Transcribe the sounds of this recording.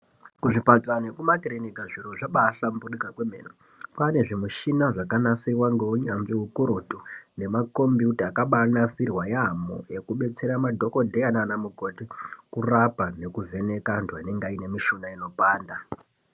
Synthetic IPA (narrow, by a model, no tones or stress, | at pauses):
kuʐipatanekumakirinikaʐiroʐaɓaɬambuɗikakwemḛːno | pane̞ʐimuʃinaʐakanasirwaŋɡe̞uɲambiɦukuɾotune̞mako̞mbiutaːkaɓanasirwajamo̰e̞kuɓe̞t͡se̞ɾamadʱo̞ko̞dʱeananamuko̞tikurapane̞kuvʱe̞ne̞kantwaineŋɡaine̞miʃunaino̞paːnda